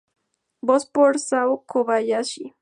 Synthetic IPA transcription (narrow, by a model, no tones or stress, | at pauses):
bospoɾsawkʰoβajaʃi